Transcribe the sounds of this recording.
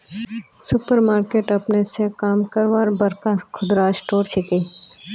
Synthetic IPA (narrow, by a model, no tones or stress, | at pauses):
sʊpəɾmaːɾkeːʈɐpnesekaːmkəɾʋaːɾbɐɾkakʰʊd̪ɾaːsʈoːɾt͡ʃʰɪkeː